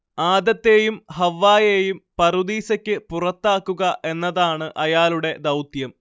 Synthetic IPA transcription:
aːd̪ɐt̪ːe̞ːjumhɐʋːaːjejumpɐrud̪iːsɐkʲːɨpurɐt̪ːaːkːuɣɐʔe̞nːɐðaːɳɨʔɐjaːluɽe̞d̪ɐwt̪jɐm

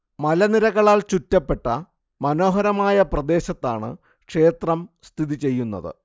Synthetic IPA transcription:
mɐlɐniɾɐɣɐɭaːlt͡ɕutːɐpːe̞ʈːɐ | mɐno̞ːɦɐɾɐmaːjɐprɐd̪e̞ːɕɐt̪ːaːɳɨ̰ | kʂe̞ːt̪rɐmst̪ʰiðit͡ɕe̞jːunːɐ̰ðɨ̰

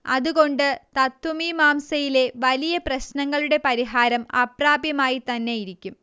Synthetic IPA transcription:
ɐðuɣo̞ɳɖɨt̪ɐt̪wɐmimaːmsɐjile̞ʋɐlijɐprɐɕnɐŋːɐɭuɽe̞pɐɾiɦaːɾɐmɐpraːbjɐmaːjit̪ɐnːe̞jiɾikʲːum

